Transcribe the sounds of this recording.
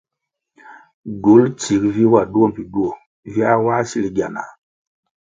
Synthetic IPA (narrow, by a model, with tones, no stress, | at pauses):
ɡu˨˦lti˨kvi˦wa˨du˦o˦m˨vi˨du˦o˨ | vi˦a˦wa˦si˦li˨ɡa̰˨na̰˨